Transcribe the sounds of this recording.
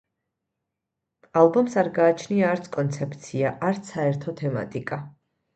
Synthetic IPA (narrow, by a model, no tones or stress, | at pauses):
alˠbɔmsaɾɡaːt͡ʃʰniaːɾt̪sʰkʼɔnt̪sʰɛp̚ʰt̪sʰiaʔaɾt̪sʰaɛɾt̪ʰɔt̪ʰɛma̰t̪ʼikʼa